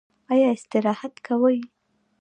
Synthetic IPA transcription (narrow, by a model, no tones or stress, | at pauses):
ɑjɑɪst̪ɪɾɑhat̪kʰawəj